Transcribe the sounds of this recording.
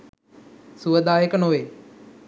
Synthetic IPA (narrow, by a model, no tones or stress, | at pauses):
suʋəd̪aːjəkənoʋeː